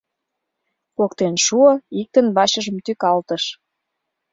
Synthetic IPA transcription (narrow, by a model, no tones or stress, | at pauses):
kokt̪enʃuəik̚t̪ənβɑɕə̆ʒəmt̪ykɑlt̪əʃ